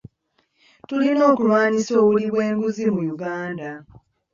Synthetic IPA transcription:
tulino̞ːkulwaːɲisoːβuliβwe̞ːŋɡuzimujuɡaːnda

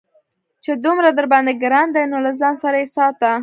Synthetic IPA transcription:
t͡ʃed̪umɾad̪əɾbɑnd̪eɡɾɑnd̪ajnolazɑnsaɾajesɑt̪a

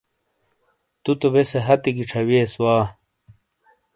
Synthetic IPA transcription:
t̪ut̪obeseɦɐt̪iɡiʈ͡ʂʰɐweswaː

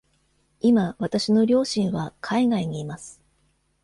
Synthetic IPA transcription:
imaβat̪aɕino̞ɾʲo̞ːɕĩɰ̃βakʰaiɡaiɲ̟iːmasɨ̥

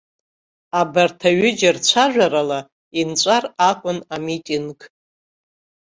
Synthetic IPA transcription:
abartʰaɥʏd͡ʒɪrt͡ɕʷʰaʒʷᶣaɾala | int͡sʷʼarakʷʼʊnamitʼiŋɡ

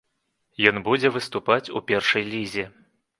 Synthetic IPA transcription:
jɔnbud͡zʲɛvɨst̪upat͡sʲupʲɛrʂɐjlʲizʲi

